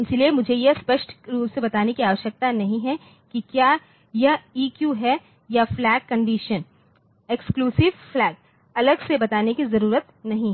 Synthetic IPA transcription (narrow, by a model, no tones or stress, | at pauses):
ɪsiliemʊd͡ʒʱejespəʃʈɾuːsebɐt̪aːnekiaːʋəʃjək̚t̪anɐɦĩɦɛ | kikjaː | jaiːkjuɦɛ | jaflɛːkːɐ̃ɳɖiːʃən | ekskluːsɪʋflɛːɡ̚ | ɐləɡsebɐt̪aːnekizɐɾuːɾət̪nɐɦĩɦ